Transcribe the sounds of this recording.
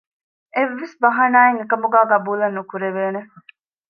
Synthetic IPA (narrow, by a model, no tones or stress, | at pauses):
eʋːesbɐɦɐnaːeŋekɐmuɡæːɡɐbuːlɐnːukuɾeʋeːne